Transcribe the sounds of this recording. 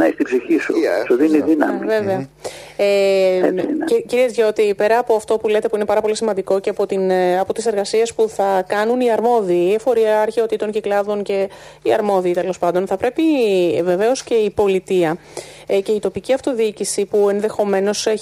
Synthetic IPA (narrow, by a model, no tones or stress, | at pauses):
nɐist̪ibziçisṵsuðiniðinɐmve̞veɐ | e | ciɾiezʝo̞t̪ipe̞ɾɐːpoɐft̪o̞pule̞t̪e̞puinepɐɾɐpo̞lisimɐnd̪iko̞ceɐpo̞t̪inɐpo̞t̪ise̞ɾɣɐsie̞spuθɐkɐnuniɐɾmo̞ðiːefo̞ɾiɐɐːɾçe̞o̞t̪it̪o̞nceklɐðo̞nce̞ | iɐɾmo̞ðiːt̪e̞lo̞spɐnd̪o̞nθɐpɾe̞pive̞ve̞o̞sce̞ipo̞lit̪iɐ | ce̞it̪o̞piciɐft̪o̞ðiicisipue̞nðe̞xo̞me̞no̞se